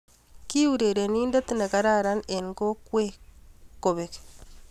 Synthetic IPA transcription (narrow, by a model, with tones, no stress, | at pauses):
ki˦u˨ɾe˨ɾe˨niː˦nda˦t̪i˦ne˨ka˦ɾa˦ɾa˦ne˨ŋɡo˦kwe˦ko˨βeke̥